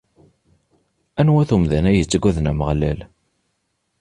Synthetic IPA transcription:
ænwæθumðænæjət͡sːəɡʷːæðnæməʁlæl

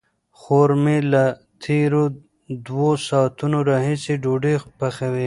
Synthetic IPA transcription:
xoɾmela | t̪ʰeɾo | d̪wosɑːt̪unoɾɑːɦisiɖoɖexpaxawi

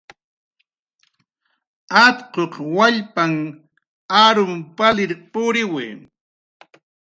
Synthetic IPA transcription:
at̪qoqwaʎpaŋ | aɾʊmpalɪɾpʊɾɪweː

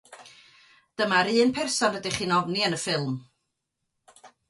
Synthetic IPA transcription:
d̥əmaɾɨːnpʰɛrsɔnədiχiːnɔvniənəfɪlˠm

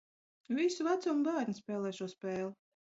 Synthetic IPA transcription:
visuvæt̪sɔmɡaːɾnispɛːlˠɛːʃɔspɛːlˠ

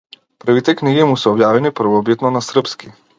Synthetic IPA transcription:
pɾ̩vit̪ɛkniɡimusɛɔbjavɛnipɾ̩vɔbit̪nɔnasr̩pski

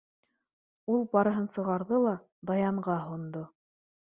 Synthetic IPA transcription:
ulˠbɑɾɤ̆ɦɤnsɤ̆ʁɑɾðɤlˠɑ | d̪ɑjɑɴʁɑɦŏnd̪o

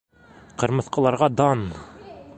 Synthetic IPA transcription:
qɤ̆ɾmɤ̆θqɤ̆lˠɑɾʁɑd̪ɑn

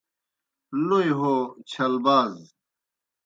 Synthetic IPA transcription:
nojɦot͡ɕʰɐlbaːz

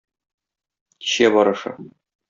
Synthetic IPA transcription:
i̥ɕæbɒɾɤ̆ʃɤ̰

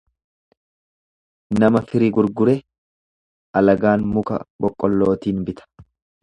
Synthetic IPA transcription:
nɐmɐfɪɾɪɡʊɾɡʊɾɛ | ʔɐlɐɡaːnmʊkɐ̰bɔkʼːɔlːo̞ːt̪iːnbɪt̪ɐ̥

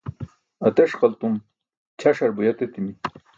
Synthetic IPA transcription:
ɐt̪eʂqɐlt̪um | t͡ɕʰaʂɐɾbujɐt̪et̪imi

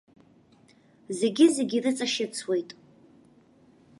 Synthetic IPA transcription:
ze̞ɡʲɪzeɡʲirɨt͡sʼaʃɪt͡sʰwe̞jtʼ

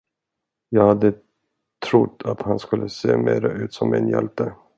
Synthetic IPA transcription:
jɑːɡhad̪ːə | t̪ʰɾʊt̪ʰːat̪hanskɵlːəseːmeːɾaʔʉ̟ːt̪sɔmmɪ̰njɛ̰lt̪ə

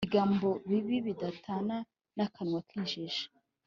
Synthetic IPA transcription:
iɡaːmbo̞βiβiβidatʰana | nakʰanŋwakʰiːnʒiʃḁ

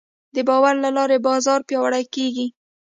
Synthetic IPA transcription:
d̪əbɑwaɾlalɑɾebɑzɑɾpjɑwaɽajkeɡi

